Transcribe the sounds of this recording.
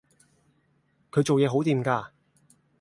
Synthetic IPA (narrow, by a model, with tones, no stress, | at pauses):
kʰɵ˨˧ɥt͡so˨wjɛː˨˧ɦo˨˥wt̪iː˨mkaː˧